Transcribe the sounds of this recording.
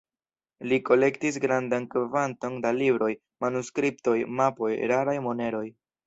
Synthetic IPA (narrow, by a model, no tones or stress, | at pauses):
liko̞le̞ktis̬ɡɾandankvanto̞ndalibɾo̞j | manuskɾipto̞jmapo̞jɾaɾajmo̞ne̞ɾo̞j